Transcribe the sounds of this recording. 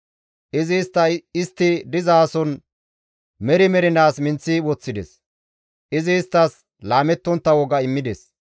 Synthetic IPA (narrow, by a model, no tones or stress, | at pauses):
ʔɪzɪst̪ːɐɪst̪ːɪd̪ɪzaːsɔn | mɛɾɪmɛɾɪnaːsmɪnt͡sːiwɔt͡sːɪd̪ɛ̰s | ʔɪzɪːst̪ːɐs | laːmɛt̪ːɔnt̪ːɐwɔɡɐɪmːɪd̪ɛs